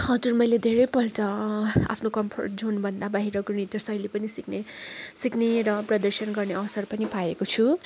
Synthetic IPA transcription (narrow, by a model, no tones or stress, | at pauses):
hʌd͡zurmʌjled̪ʱeɾʌjpʌlʈʌa̰pʰnokʌmpʰo̰rʈ̚d͡zʱonbʱʌnd̪abaɦiɾʌɡiɽ̃it̪jʌsʌjlepʌnisiknesikneɾʌprʌd̪ʌrsʌnɡʌrneʌʌsʌrpʌnipaekot͡sʰu